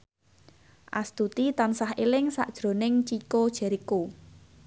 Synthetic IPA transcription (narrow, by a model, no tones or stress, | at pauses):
ʔa̰st̪ut̪it̪ansahelɪŋsa̰ʔd̥ʒ̥ɾo̤nɪŋt͡ʃikod̥ʒ̥ɛ̤ɾiko